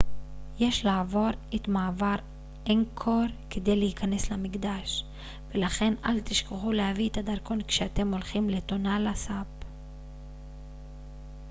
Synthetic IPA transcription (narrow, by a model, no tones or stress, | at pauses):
je̞ʃlaːvo̞ʁet̪maːvaʁ | enkʰoɾked̪e̞jlehikʰane̞slamiɡd̪aʃ | velaχe̞nalt̪iʃkeχulehaviet̪ad̪aʁko̞nkʃeat̪e̞mo̞lχimle̞t̪o̞nalasap